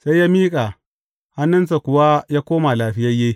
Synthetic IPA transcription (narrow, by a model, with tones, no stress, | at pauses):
sa˦jjaː˦miː˦kʼa˨ | ha˦nːʊ˦nsa˨kʷʊ˨wa˦jaː˦koː˦ma˨laː˨ɸɪ˦jɐ˦je˦